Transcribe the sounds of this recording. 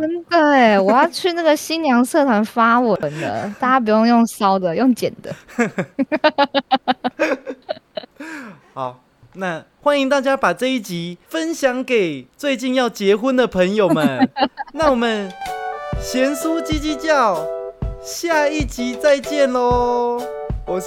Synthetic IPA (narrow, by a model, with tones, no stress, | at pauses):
ə˥nd̪ə˨˩wɔ˨˩jɑ˥˧ʊt͡ɕʰy˥˧na˥˩ɡə˩ɕi˦˥njɑ˧˥ŋsɤ˥˩t̪ʰwa˧˥nfa˦wəə˨˧˦nd̪ə̰˧t̪a˥˩t͡ɕja˥p̬u˨˩jo˥˧ŋjo˥˩ŋsɑ˦˥ʊd̪ə˨jo˥˩ŋt͡ɕjɛ̰˨˩nd̪ə̰˦ | xa˨˩˦ʊ | na˥˧xwa˦˥ni˧ŋt̪̬a˥˩t͡ɕja˦pa˨˩t͡sɤ˥˧i˥˩t͡ɕi˨˦fə˦nɕjɑ˨˦ŋke˨˩ɪt͡swe˥˧ɪt͡ɕi˥˧njɑ˥˩ʊt͡ɕjɛ˧˥xu˦nd̪ə˨pʰə˧˦ŋjo˨ʊmə˧˦nna˥˩wɔ˨˩mə˨n | ɕjɛ˨˦nsu˦t͡ɕi˦t͡ɕi˦˥t͡ɕjɑ˥˨ʊ | ɕja˥˧i˥˩t͡ɕi˨˦t͡sa˥˧ɪt͡ɕjɛ˥˨nlɔ˨ | wɔ˨˩